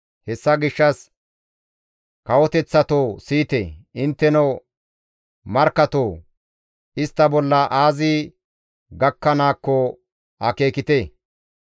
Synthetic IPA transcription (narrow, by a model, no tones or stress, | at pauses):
hɛsːɐɡɪʃːɐs | kɐwɔt̪ɛt͡sːɐt̪oːsiːt̪eɪnt̪ːɛno | mɐɾkːɐt̪oː | ɪst̪ːɐbɔlːɐʔaːzɪ | ɡɐkːɐnaːkːɔ | ɐke̞ːkɪt̪eː